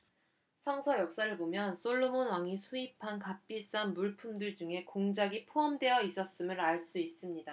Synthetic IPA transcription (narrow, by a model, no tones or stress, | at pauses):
sʰʌŋsʰʌjʌk̚s͈aɾɯɭbomjʌns͈oɭːomonwaŋisʰuipʰankap͈is͈anmuɭpʰumdɯɭd͡ʑuŋe̞koŋd͡ʑaɡipʰoʌmdwe̞jʌis͈ʌs͈ɯmɯɾaɭs͈uis͈ɯmɲida